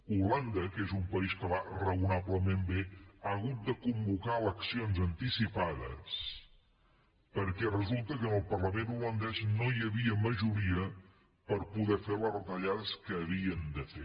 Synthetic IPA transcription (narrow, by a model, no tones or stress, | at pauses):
uland̪əkezumpəiskəβarəunaβləmembeaəɣut̪̚d̪əkumbukaləksionzənt̪isipaðə̰s | pəɾkɛrəzulˠt̪əkənəlˠpərləmenulənd̪ɛznojəβiəməʒuɾiə | pəɾpuðɛfelərət̪əʎaðəskəːβiənd̪əfe